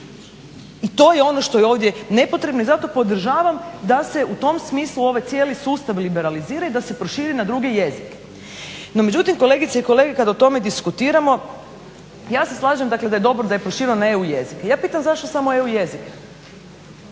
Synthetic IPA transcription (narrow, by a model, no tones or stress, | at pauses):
it̪o̞ːjeo̞no̞ʃt̪o̞jeo̞ːʋd̪je̞ne̞pot̪ɾe̞bno̞izat̪o̞po̞d̪ɾ̩ʒaːʋamd̪ase̞ut̪o̞msmiːslˠuo̞ʋajt̪sjeːlisuːst̪aʋlibeɾaliziːɾaid̪ase̞pɾoʃiːɾinad̪ɾuɡe̞je̞zike̥ | no̞me̞d͡ʒut̪imko̞lˠe̞ɡit̪seiko̞le̞ɡekad̪aot̪o̞me̞d̪iskut̪iːɾamo̞ | jaːse̞slˠaːʒemd̪akle̞d̪aje̞d̪o̞bɾod̪ajepɾo̞ʃiːɾionae̞uje̞zikejaːpiːt̪amzaʃt̪o̞samo̞e̞ujezike̥